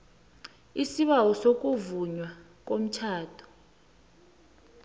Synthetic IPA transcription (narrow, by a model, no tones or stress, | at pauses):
isiɓawɔsok̬ʼuvuɲwa | k̬om̩t͡ʃʰaːtʰɔ̥